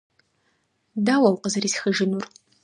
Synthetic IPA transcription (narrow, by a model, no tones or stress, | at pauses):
daːwɐwqəzɨɾiːsxəʒɪnur